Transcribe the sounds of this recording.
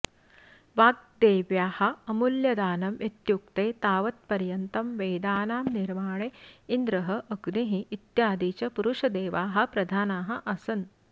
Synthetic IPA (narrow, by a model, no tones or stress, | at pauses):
ʋaːɡ̚d̪eːʋjaːhɐ̆ɐmuljɐd̪aːnɐmet̪juk̚t̪eːt̪aːʋɐt̪̚pɐɾjɐnt̪ɐmʋeːd̪aːnaːmniɾmaːɳeind̪ɾɐɦɐʔɐɡniɦiːt̪jaːd̪iːt͡ʃɐpuɾuʂɐd̪eːʋaːɦɐ̆pɾɐd̪ʱaːnaːɦɐ̆ʔɐsɐn